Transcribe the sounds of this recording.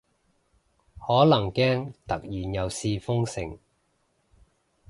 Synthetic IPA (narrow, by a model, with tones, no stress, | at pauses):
hɔː˨˥lɐ˨˩ŋkɛː˥ŋt̪ɐ˨k̚jiː˨˩njɐ˨˧wsiː˧fʊ˥ŋsɪ˨˩ŋ